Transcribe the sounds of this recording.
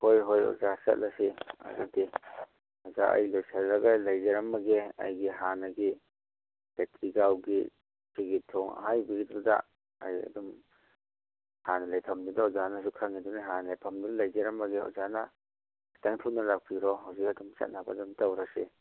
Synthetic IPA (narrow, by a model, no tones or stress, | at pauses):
hojɦojɔ̰zasa̰t̚lasia̰dadi | azaʔa̰jlojsallaɡajlajzeɾamːaɡea̰jɡiɦanaɡi | petʰiɡawɡḭ | siɡitʰɔŋa̰ɦajbiɡitɾuda̰ | a̰jɐ̰dum | hanalajpʰamdudaɔzanas̬ukʰaŋiduniɦanajpʰamdullajzaɾamːaɡeɔ̰zana | taŋtʰutnalak̚pʰiɾɔɦawzik̚ɐdumsa̰t̚naba̰dumtawɾasi